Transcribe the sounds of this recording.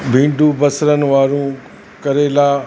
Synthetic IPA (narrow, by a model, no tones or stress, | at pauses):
bʱĩːɳɖubɐsɾənɪ̆ʋaːɾũ | kɐɾelaː